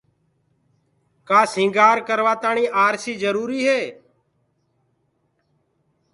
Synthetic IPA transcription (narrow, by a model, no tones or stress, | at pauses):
kaːsɪ̃ŋɡaːɾkəɾʋaːt̪aːɳiːʔaːɾsiːzəɾuːɾiːɦeː